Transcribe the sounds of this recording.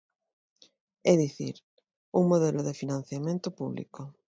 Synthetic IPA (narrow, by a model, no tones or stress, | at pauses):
ɛðiθḭɾ | uŋmoðɛloðefinãn̟θjamẽnt̪ʊpuβlḭko